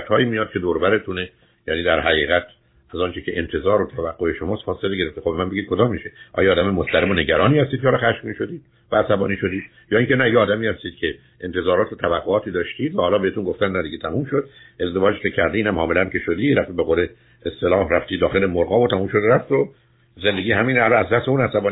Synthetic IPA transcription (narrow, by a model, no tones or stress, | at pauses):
t̪hɒːjimijɒːd̪̥̚kʰʲe̞d̪oɾbæɾe̞t̪ʰune | jæniːd̪æɾɦæʁiːɣæt̪ʰ | æzɒːnt͡ʃʰecʰe̞ʔent̪ʰe̞zɒːɾot̪ʰævæɡːoeʃomɒːst̪fɒːse̞leɡe̞ɾe̞ft̪exobemænbe̞ɡid̪̚kʰo̞d̪ɒːmːiʃe̞ʔɒ̰ːjɒːd̪æmemost̪æɾemone̞ɟæɾɒːniːhæst̪id̪̚ʰehlɒχæʃmiːʃod̪iːd̪̥ | væːsæbɒ̰ːniːʃo̞d̪iːd̪ | jɒːiŋcʰenæjeɒːd̪æmiːhæst̪iːd̪̥cʰe | ʔent̪ʰe̞zɒːɾɒːt̪ʰot̪ʰævæɡːoɒːt̪ʰiːd̪ɒːʃt̪iːd̪væhɒːlɒːbeet̪unɡo̞ft̪ænnæd̪iɡɟet̪ʰæmumʃod̪̚ | ʔe̞zd̪evɒːd͡ʒkecʰæɾd̪eiːnæmhɒːmelænke̞ʃod̪iːɾæft̪ibeɣole | est̪e̞lɒːhræft̪iːd̪ɒːxe̞lemoɾɡɒːvot̪ʰæmumʃod̪ɾæft̪o | ze̞nd̪eɡiːɦæmiːnælɒæzd̪æst̪euːnæsæbɒːn